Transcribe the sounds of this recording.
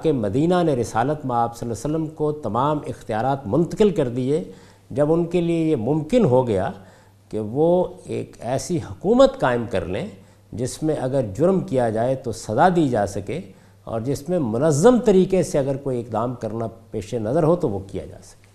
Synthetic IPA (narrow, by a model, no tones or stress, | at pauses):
kemɐd̪iːnaneɾɪsaːlət̪maaːbsɐlːsələmkot̪ɐmaːmɪxt̪ijaːɾaːt̪mʊ̃nt̪əqɪlkɐɾd̪ie | d͡ʒɐbʊnkeliejemʊ̃mkɪnɦoɡɐja̰ | keʋoḛːkɛːsiɦʊkuːmət̪kaːɪmkɐ̰ɾlḛ̃ | d͡ʒɪsmẽʔɐɡəɾd͡ʒʊɾmkijad͡ʒaːet̪osɐzad̪iːd͡ʒaːsɐkeː | ɔ̰ːɾd͡ʒɪsmẽmʊnəzːəmt̪ɐɾiːkeseɐɡəɾkoːiɪkd̪aːmkɐɾnapeːʃenɐzəɾɦot̪oʋokija̰d͡ʒa̰ːsɐ̥ke